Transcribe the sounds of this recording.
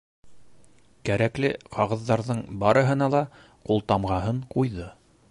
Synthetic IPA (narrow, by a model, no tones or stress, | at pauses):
kæɾæklɘqʰɑʁɤ̆ðːɑɾðɤɴbɑɾɤ̆ɦɤ̆n̪ɑlˠɑ | qulˠt̪ɑmʁɑɦɤɴqujðɤ